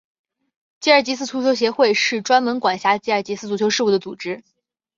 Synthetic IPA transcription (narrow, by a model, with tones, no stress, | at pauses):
t͡ɕi˥ə˞˩t͡ɕi˧˥s̬ʰɹ̩˥˩t͡sʰu˧˥˩t͡ɕʰjo˧˥ɕ̬jɛ˧˥xwe˥˧ɪʂɻ̩˥˩ʈ͡ʂwa˥nmə˧˥nkwa˨˩nɕja˧˥t͡ɕi˥ə˞˥˩t͡ɕi˧˥sɹ̩˥˩t͡su˧˩t͡ɕʰjo˧˥ʊʂɻ̩˥˧u˥˩d̪ə˩t͡su˨˩ʈ͡ʂɻ̩˥